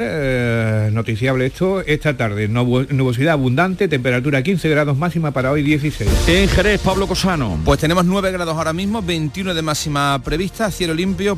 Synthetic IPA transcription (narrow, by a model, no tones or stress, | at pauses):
no̞t̪iθjaβleet̪ʰoeht̪at̪aɾðennuβo̞siðaːβund̪ant̪e̞t̪e̞mpe̞ɾat̪uɾakin̟θe̞ɣɾaðo̞ɦmasimapaɾaojðje̞θise̞jsseŋxeɾe̞paβlo̞ko̞sano̰pwe̞st̪ene̞moznwe̞β̞e̞ɣɾaðosaoɾamizmoβe̞nt̪iunoðemasimapɾe̞βist̪aθje̞lolimpjo